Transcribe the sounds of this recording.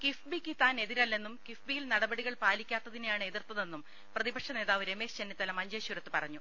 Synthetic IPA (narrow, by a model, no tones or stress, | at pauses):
kifbikit̪ːaːne̞ðiɾɐlːe̞nːumkifbijilnɐɽɐbɐɽiɣɐɭpaːlikʲːaːt̪ːɐðinejaːɳɨe̞ðirt̪ːɐðe̞nːum | prɐðibɐkʂɐne̞ːðaːʋɨɾe̞me̞ːɕt͡ɕenːit̪ːɐlɐmɐɲd͡ʑeːɕuɾɐt̪ːɨpɐrɐɲːu